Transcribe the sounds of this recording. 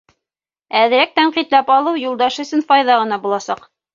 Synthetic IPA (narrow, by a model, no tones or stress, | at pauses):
æðɘ̆ɾæk̚t̪æɴqit̪læpɑlˠɤwjulˠd̪ɑʃɵ̆sɘnfɑjðɑʁɤ̆nɑbulˠɑsɑq